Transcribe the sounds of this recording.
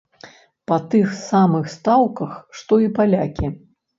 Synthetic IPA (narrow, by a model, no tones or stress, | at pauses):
pɐt̪ɨxsamɨxst̪awkɐxʂt̪ɔipalʲakʲi